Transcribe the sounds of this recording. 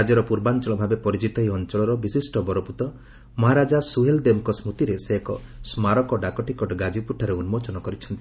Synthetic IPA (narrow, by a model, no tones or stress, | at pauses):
ad͡ʒɔɾɔpuɾbant͡ʃɔɭɔbʱabepɔɾid͡ʒit̪ɔɦiɔnt͡ʃɔɭɔɾɔbisisʈɔbɔɾoput̪ɔ | mɔɦaɾad͡ʒasuɦeld̪emkɔsmut̪iɾeseɦekɔsmaɾɔkɔɖakɔʈikɔʈɡad͡ʒipuʈʰːaɾeunmot͡ʃɔnɔkɔɾit͡ʃʰɔnt̪ii̥